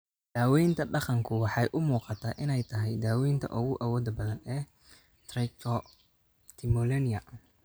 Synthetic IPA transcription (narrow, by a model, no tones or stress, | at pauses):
d̪̥aːwɛjnt̪ʰɐɖɑqɑŋkʰʊwɑħɑjʔʊmuːqɑt̪ʰaːʔɪnɛjt̪ʰɐɦɛjd̪aːwɛjnt̪ʰɐ̰ʔʊɣʊʔawɔːd̪ɐbɐðɐnɛː | t̪rɛkʰɔ | t̪ʰɪmɔlɛnɪɐ